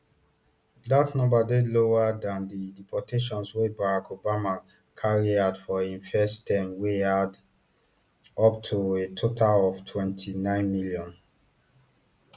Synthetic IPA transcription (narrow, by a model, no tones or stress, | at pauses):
datnɔ̃mbadeloadãndidipɔtʰeʃɔ̃nswebaɹakʰobama | kʰaɹiadfɔĩnfɛstʰɛ̃mwead | ɔp̚tʰuetʰotʰalɔvtʰwɛ̃ntʰinãɪ̃nmiljɔ̃n